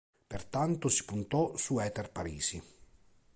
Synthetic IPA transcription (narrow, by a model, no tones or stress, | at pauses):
pert̪ant̪osi̥punt̪ɔsuɛːt̪ɛrpaɾiːsi